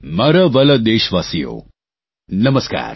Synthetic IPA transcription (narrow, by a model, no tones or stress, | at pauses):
mɐɾɐʋɐlɐd̪eːʃʋaːsijo̰ː | nɐməska̰ːɾ